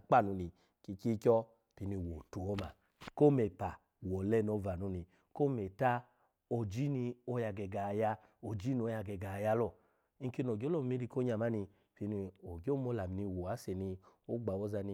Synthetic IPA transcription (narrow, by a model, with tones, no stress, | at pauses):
k͡pa˦˨nu˧ni˧ | ki˧ki˦kʲɔ˦ | pi˧ni˧wo˨tu˨ɔ˦ma̰˨ | ko˦me˨pa˨ | wɔ˨lɛ˧˦˧nɔ˧va˨nu˨˧˦ni˧ | ko˦me˨ta˦ | o˧d͡ʒi˦ni˧o˧˦ja˧ɡɛ˧ɡa˨ja˧ | o˨d͡ʒi˦ni˧o˧˦ja˧ɡɛ˧ɡa˨ja˧˦lɔ˦˨ | i˦˧˦ki˦no˨ɡʲo˦lɔ˦˨m˧mi˧˦ɾi˧ko˦ɲa˧˨ma˨˦ni˧ | pi˧ni˧o˨ɡo˦mo˧la˨mi˧ni˧wo˨a˨˦se˨ni˧o˦ɡ͡ba˨wɔ˦za˧ni˧